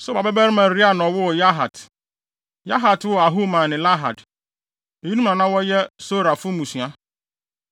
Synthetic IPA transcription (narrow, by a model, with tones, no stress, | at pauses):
sʊ˦ba˨bɛ˦bɛ˦ɾmã˨ɾi˦a˦˨nɔ̃˨wʊ˦˨ja˦ɦa˨t | ja˦ɦa˨twʊ˦a˨ɦu˦mã˨nɪ̃˨la˦ɦa˨d | e˨ji˦nũ˦nã˨nã˦wɔ˦jɛ˦so˦ɾa˨fʊ˦mũ˨su˨a˦